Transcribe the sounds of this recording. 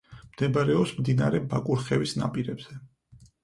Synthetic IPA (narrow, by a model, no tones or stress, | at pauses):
md̪ɛbaɾɛɔpsmd̪inaɾɛbakʼuɾχɛvisna̰pʼiɾɛbz̥ɛ